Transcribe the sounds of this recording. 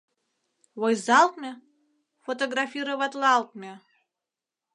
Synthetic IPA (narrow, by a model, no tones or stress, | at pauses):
wojzalˠt̪mʲe | fot̪oɡrafʲiɾovat̪lˠalˠt̪̚mʲe